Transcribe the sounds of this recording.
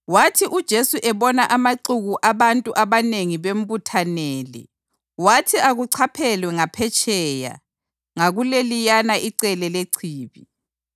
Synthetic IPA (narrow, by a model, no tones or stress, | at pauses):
watʰiʔud̥ʒ̥ʱesuʔɛβɔnaʔamaǀuɣuʔaβantʼuʔaβaneŋiβem̩butʰanɛːlɛ̰ | watʰiaɣuǀʰapʰɛlwɛŋapʰɛt͡ʃʼʰɛːja̰ | ŋaɣulelijanaʔiǀɛlɛleǀʰiːβi